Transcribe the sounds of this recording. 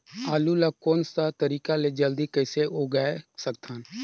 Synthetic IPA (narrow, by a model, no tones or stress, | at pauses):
aːlulakoːnsat̪əɾiːkaled͡ʒəld̪ikəɪseoːɡaesək̚t̪ʰaːn